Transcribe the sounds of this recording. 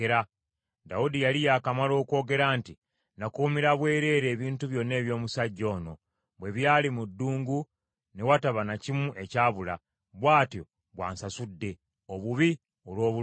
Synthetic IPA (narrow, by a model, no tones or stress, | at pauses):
eɾa | daudijalijaːkamalo̞ːko̞ːɡe̞ɾaːnti | nakuumiɾaβwe̞ːɾe̞ːɾe̞ːβiːntuβjo̞nːe̞ːβjo̞ːmusaɟːo̞ːno̞ | βwe̞βjaːlimudːuːŋɡu | newataβanacimuʔe̞caːβula | βwaːtjo̞ | βwa̰ːnsasudːe̞ | oβuβi | olwo̞ːβu